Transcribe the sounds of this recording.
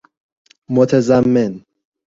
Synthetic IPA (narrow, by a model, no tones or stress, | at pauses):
mot̪ʰezæmːen